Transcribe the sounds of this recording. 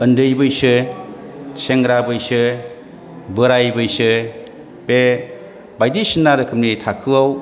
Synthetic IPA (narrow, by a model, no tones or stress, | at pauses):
ɯndɯjbɯjsɯ | sʰeŋɡɾabɯjsɯ | bɯɾajbɯjsɯ | be | bajdisinːaɾɯkʰɯmnitʰakʰɯwaw